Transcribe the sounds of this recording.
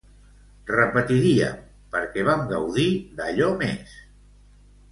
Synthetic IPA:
rəpət̪iɾiə̰ | pəɾkɛβ̞amɡəwðiðəʎɔmes

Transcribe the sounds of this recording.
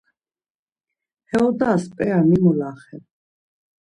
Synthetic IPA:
hɛɔd̪aːspʼɛamimɔlaχɛ

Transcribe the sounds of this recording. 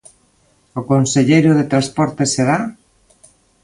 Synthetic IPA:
ʊkonseʎejɾʊðet̪ɾaspɔɾt̪eseða

